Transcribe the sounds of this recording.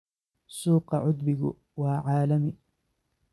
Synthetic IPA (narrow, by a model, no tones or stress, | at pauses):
sˤuːqɑʕʊd̪bɪɡ | waʕaːlami